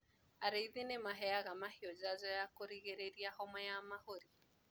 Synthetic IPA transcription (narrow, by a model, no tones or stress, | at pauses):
aɾeiðenemaɦɛaɣamaheɔd͡ʒazɔjakoɾiɣeɾeɾiahɔmɔjamahoɾi